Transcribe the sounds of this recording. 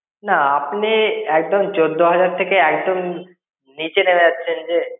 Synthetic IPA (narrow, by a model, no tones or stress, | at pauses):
naapniɛk̚d̪omd͡ʑod̪ʱːoɦad͡ʑaɾt̪ʰekeɛk̚d̪om | nit͡ɕenemed͡ʑatːɕʰend͡ʑe